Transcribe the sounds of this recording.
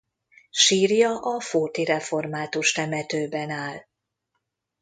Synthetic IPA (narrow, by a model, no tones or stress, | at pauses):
ʃiːrjɒʔɒfoːt̪iɾɛfo̞rmaːt̪uʃt̪ɛmɛt̪øːbɛnaːl